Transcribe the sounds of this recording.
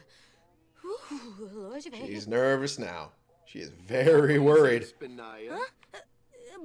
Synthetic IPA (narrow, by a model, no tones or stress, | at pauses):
ʃḭznɜ˞vɨsna̰ʊ | ʃḭɨ̰zvɛɹiwɜ˞id̥